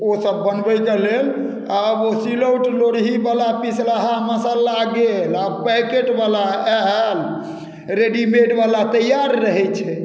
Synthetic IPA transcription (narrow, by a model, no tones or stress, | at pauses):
osəbːənbəkelel | abosiləwʈloɾɦibalapislaɦaməsəlːaɡelabpɛkeʈbalaɛɦl | ɾeɖimeɖbalat̪əjaɾːəɦɛt͡ʃʰɛ